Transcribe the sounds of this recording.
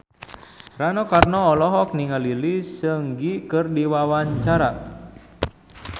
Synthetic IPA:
ranɔkarnɔːlɔɦɔk̚niŋalilisəŋɡikərdiwawaɲt͡ʃaɾa

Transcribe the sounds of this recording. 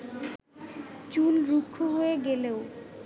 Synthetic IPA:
t͡ɕulɾukʰːoɦoeɡeleo

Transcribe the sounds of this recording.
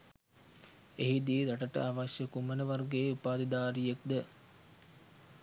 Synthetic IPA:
eɦid̪iːɾaʈəʈə̰aʋaʃjəkumənəʋarɡeːupaːd̪id̪aːɾijek̚d̪ə

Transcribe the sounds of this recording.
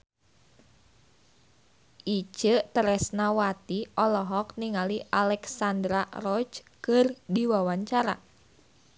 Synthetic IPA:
ʔit͡ʃət̪əɾɛsnawat̪iʔɔlɔɦɔk̚niŋaliʔalɛksandɾarɔt͡ʃkɨrdiwawaɲt͡ʃaɾa̰

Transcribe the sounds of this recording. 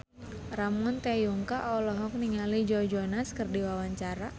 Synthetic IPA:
ɾamʊnt̪ejuŋkaʔɔlɔɦɔk̚niŋalid͡ʒɔd͡ʒɔnaskərdiwawaɲt͡ʃaɾa

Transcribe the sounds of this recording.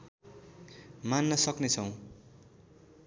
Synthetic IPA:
manːʌsʌknet͡sʰʌw̃

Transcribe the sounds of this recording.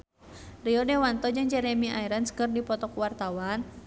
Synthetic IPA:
riɔdɛwant̪ɔd͡ʒɨŋd͡ʒɛɾɛmiʔaiɾənskɨrdipɔt̪ɔkuwart̪awan

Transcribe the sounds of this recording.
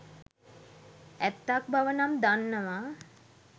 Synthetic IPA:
æt̪ːak̚baʋənamd̪anːəʋaː

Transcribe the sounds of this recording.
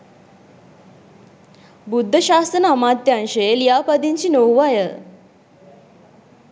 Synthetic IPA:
bud̪ʱːəɕast̪ɾənamat̪ːjanɕeljapəd̪iɲt͡ɕiːnowʋajə

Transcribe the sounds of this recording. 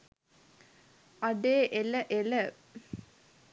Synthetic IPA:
ɐɖeːʔeləʔelə

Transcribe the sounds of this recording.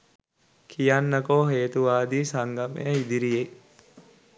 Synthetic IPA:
kʰijanːəkoɦeːt̪uʋaːd̪iːsaŋɡamḛjəid̪iɾije

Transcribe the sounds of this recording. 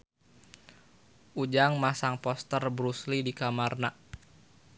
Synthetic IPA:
ʔud͡ʒaŋmasaŋpɔst̪ərbɾuslidikamarna

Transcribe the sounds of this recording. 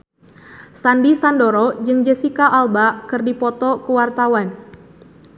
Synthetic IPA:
sandisandoɾɔd͡ʒɨŋd͡ʒɛsikaʔːlbakɨrdipɔt̪ɔkəwart̪awan

